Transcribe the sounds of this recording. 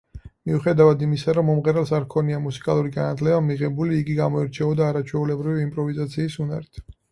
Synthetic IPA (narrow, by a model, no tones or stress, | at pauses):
miuχɛd̪avad̪imisaɾɔmːɔmʁɛɾɛlˠsaɾkʰɔniamusi̥kʼalˠuɾiɡanat̪ʰlɛbamiʁɛbuliːɡiɡamɔɛɾt͡ʃʰɛɔd̪aːɾat͡ʃʰwɛulɛbɾiviːmpʼɾɔvizat̪sʰiːsuna̰ɾit̪ʰ